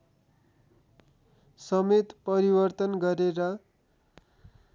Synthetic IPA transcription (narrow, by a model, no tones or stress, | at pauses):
sʌmet̪pʌɾibʌrt̪ʌnɡʌɾeɾʌ